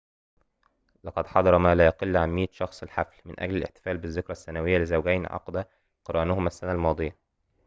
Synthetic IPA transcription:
lɑqɑd̪ħɑd̪ˤɑɾˤɑmæːlæːjɑqelːʕamːiːt̪ʃɑxsˤɪlħaflmɪ̰nʔæ̰ɡlælʔḛħt̪ɪ̥fæːlbɪzːɪkɾæsːænæwɪjːælɪzæwɡæjnʕɑ̰qd̪æ | qɑɾˤʔæːnʊhʊmæsːænælmɑːd̪ˤɨjæ

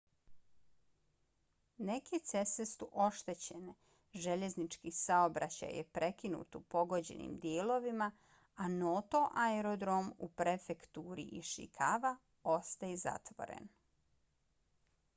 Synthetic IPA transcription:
ne̞ket̪se̞sest̪uʔo̞ʃt̪e̞t͡ɕene | ʒe̞ʎe̞znit͡ʃkisaobɾat͡ɕa̰jepɾʔe̞kinṵːt̪upo̞ɡo̞d͡ʑe̞̰nḭmd̪jeːlo̞ʋima | anot̪o̞ʔaeɾod̪ɾomupɾefekt̪uːɾḭʔiʃḭkʰaʋa | o̞st̪ajeza̰t̪ʋo̞̰ɾḛn

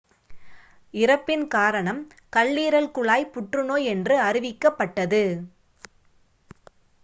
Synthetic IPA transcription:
ɪɾɐpːɪnkaːɾɐɳɐm | kɐɭːiːɾɐlkʊɭaːjpʊʈrɯnoːjɛndrɯɐɾɪʋɪkːɐpːɐʈːɐðɯ

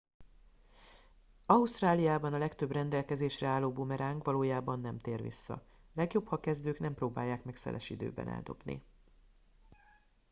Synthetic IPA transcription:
ɒust̪raːlijaːbɒnɒlɛkt̪ø̞brɛnd̪ɛlkɛzeːʃrɛaːlːoːbomɛɾaːŋkʋɒloːjaːbɒnːɛmt̪eːrvḭsːɒ̰ | lɛɡjo̞phɒkɛzd̪øːknɛmproːbaːjːaːkmɛksɛ̰lɛʃid̪ø̰ːbɛ̰nʔɛ̰ld̪o̞̰bnḭ

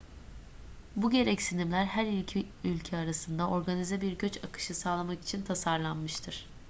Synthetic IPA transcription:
buɟe̞ɾɛcsinimlʲæɾɦæɾilʲcʰi | ylʲcʰɛaɾasɯnd̪ao̞ɾɡanizɛbiɾɟø̞t͡ʃakʰɯ̥ʃɯsaːlˠamaki̥t͡ʃʰint̪ʰasaɾlˠanmɯʃt̪ʰɯɾ̥

